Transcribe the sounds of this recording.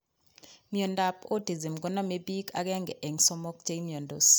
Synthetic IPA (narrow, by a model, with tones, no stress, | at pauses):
mjɔ˨nda˨po˦di˨zi˨mɡɔ˦nɔ˦me˦bi˦ka̰˨ɡɛ˦ŋɡɛ˨ʔe˨ŋsɔ˦mɔ˦k̚t͡ʃe˦i˦mjɔ˨ndo̰˨s